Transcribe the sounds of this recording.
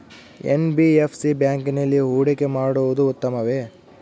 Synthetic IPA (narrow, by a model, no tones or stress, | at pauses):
ḛnbiepʰsibjaːŋkinɐlːiɦuːɽikemaːɽuʋud̪uːt̪ːɐmɐʋe